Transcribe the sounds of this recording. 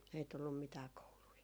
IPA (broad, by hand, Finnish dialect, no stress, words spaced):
ei tulːum mitæː koului